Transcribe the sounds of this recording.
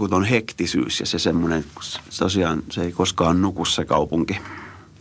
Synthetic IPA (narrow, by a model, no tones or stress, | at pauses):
kut̪onhekt̪isy̰ːsjɑ̰sesemːonent̪osiɑːnseikoskɑːnnukussekɑupuŋki